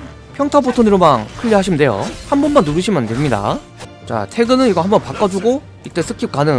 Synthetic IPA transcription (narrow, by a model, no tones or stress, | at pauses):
pʰjʌŋtʰapʰotʰonɯɾomaŋkʰɯʎːiɦaɕʰimɯndejo̰hanbʌnmanːuɾɯɕʰimɯndemɲida̰ | t͡ɕa̰tʰe̞ɡɯnɯniɡʌhambʌnpak͈ʌd͡ʑuɡo | it͈e̞s͈ʰɯkʰip̚k͈anɯ